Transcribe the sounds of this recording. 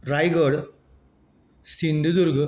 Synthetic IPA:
rɐjɡɐːɽ | sind̪ud̪uɾɡɨ

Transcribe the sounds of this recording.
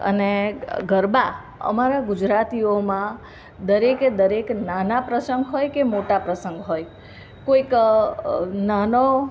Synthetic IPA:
ə̰neɡʱəɾba | ə̰maɾaɡud͡ʒɾat̪iomã | d̪əɾeked̪əɾeknanapɾəsəŋɡɦojkemoʈapɾəsəŋɡɦoj | koik | nano

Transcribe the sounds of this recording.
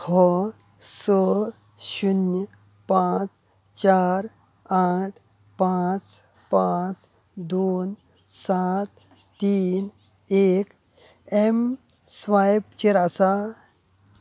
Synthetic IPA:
hʰɔ | sɔ | ɕunjə | pãt͡s | t͡ʃaɾ | aʈʰ | pat͡s | pãt͡s | d̪oːn | sat̪ː | iːn | eːk | em | sʋajp̚t͡ʃiɾasa

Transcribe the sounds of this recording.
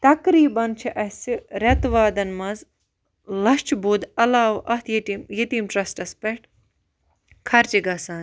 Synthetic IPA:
t̪ɐkɾiːbɐnt͡ʃʰiʔɐhsiɾɐt̪ʋaːd̪ɐnmɐz | lɐst͡ʃʰbud̪ɐlaːʋʔɐt̪ʰjiʈimjɐt̪iːmʈɾɐsʈɐspeʈ | kʰɐɾt͡ʃiɡɐsaːn

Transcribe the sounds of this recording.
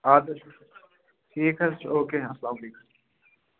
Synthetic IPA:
aːd̪ɐʃ | ʈʰiːkɐst͡ʃʰoːkeːɐslaːmɐliːkɐ̥

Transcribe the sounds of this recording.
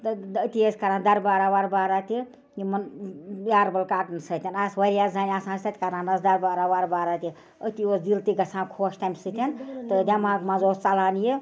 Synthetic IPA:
t̪ɨət̪iesʲkɐɾãːnd̪ɐɾbaːɾawaɾbaːɾat̪ʲi | jimɐnjaːɾbɐlkaːʈɨnsət̪ʰʲɐnasʋɐɾʲjaːszaːniaːsãːst̪ɐt̪ʰʲkɐɾãːnɐsd̪ɐɾbaːɾawaɾbaːɾat̪ʲi | ət̪ʲioːsd͡zilt̪iɡɐsʰãːkʰoːʃt̪amʲsɨt̪ʰʲɐnt̪ɨd̪ʲamaːɡmazoːst͡sɐlaːnji

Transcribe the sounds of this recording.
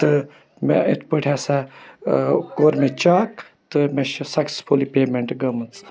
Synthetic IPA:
t̪ɨ | mɛ̰̃ɪ̰t̪ʰpəʈʰʲaːsa | koːɾmẽt͡ʃaːk | t̪ɨmẽʃsɐkspʰoːlipeːmeɳʈɡɐmɐnt͡s

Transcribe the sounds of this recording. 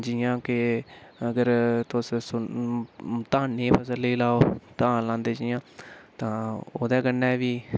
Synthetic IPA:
d͡ʒiːjãːkɪəɡəɾt̪ʊssʊ | t̪ãːnːeːpʰəsəlːəiːlaːoːt̪ãːlãːnd̪eːd͡ʒiːãːt̪ãːoːd̪ɛːɡənːɛːʋiː

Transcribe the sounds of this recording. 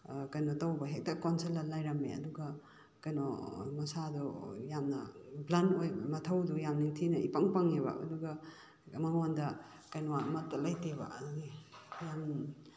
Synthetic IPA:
kajnotawbɐɦek̚tɐkonselːɐlːajɾɐmḛɐ̰duɡɐ | kɐjno̰mɐsadɔjamnɐblanojbamɐtʰɐwdujamniŋtʰinɐipaŋpaŋeβɐ̰ʔɐ̰duɡɐ | mɐŋondɐ | kajnɔamɐtːɐlajteβɐ̰nijam

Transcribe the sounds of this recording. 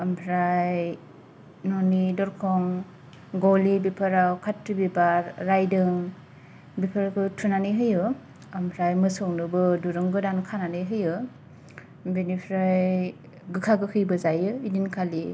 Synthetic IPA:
ampʰɾaj | nɔnidɔɾkʰɔŋ | ɡɔlibipʰɯɾawkʰatɾibibaɾːajdɯŋ | bipʰɯɾkɯtʰunanɯɦɯjɯ | ampʰɾajmɯsɔŋnɯbɯduɾɯŋɡɯdankʰananɯɦɯjɯ | binipʰɾaj | ɡɯkʰaɡɯkʰɯjbɯzajɯidinkʰali

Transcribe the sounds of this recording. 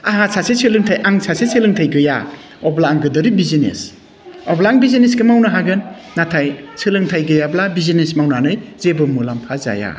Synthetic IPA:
aɦasʰasesʰelɯŋtʰajʔaŋsʰasesʰelɯŋtʰajɡɯja̰ | ɔblaːŋɡɯdɯɾibizinḛs | ɔblaːŋbizines̬ɡɯmawnaɦaɡɯnː | atʰajsʰɯlɯŋtʰajɡɯjablabizinesmawnanɯjzebɯmulampʰaza̰ja̰

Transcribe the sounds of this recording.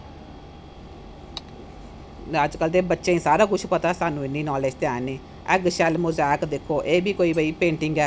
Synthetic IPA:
əd͡ʒkəld̪eːbətːʃẽːĩːsaːɾaːkʊt͡ʃʰpət̪aːsaːnũːɪnːiːnɔːleːd͡ʒt̪ɪãːniː | əɡʃɛːlmʊzaːkd̪ɪkʰːoːʔeːbʱiːkoːiːbəiːpẽːɳʈɪŋɡɛː

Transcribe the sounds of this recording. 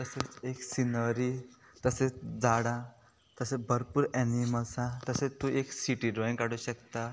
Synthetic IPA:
t̪əset͡seksinəɾi | t̪əset͡sd͡zaɽã | t̪əsebʱəɾpuːɾɛniməlsãt̪əset̪ũʔeksiʈiɖoĩŋkaɽuːɕəkt̪a

